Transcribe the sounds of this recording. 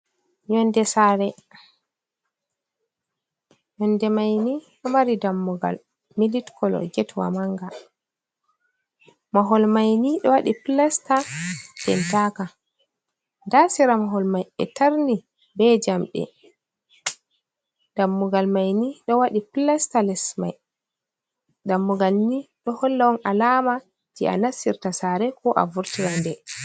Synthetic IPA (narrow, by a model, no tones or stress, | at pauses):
jɔndɛsaɾɛ | jɔndɛmajniɗɔmaɾidamːuɡa̰l | militkʰɔlɔ̰ɡɛtwa̰maŋɡa | maɦɔlmajniɗɔwaɗiplastad̥ɛntaka | ndasiɾamaɦɔlmajɛ̰taɾni | bɛd͡ʒamɗɛ̰ | damːuɡalmajniɗɔwaɗiplɛstalɛsma̰j | damːuɡalniɗɔhɔlːawɔnʔalaːma | tiʔa̰nasiɾtasaɾɛkʰɔʔa̰vuɾtiɾandɛ